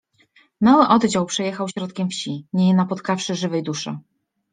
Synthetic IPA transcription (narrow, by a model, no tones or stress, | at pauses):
mawɘʔɔd̪d͡ʑawpʂɛjɛxawɕɾɔt̪kʲɛmfɕiɲeinapɔt̪kafʂɘʐɘvɛjd̪uʂɘ̰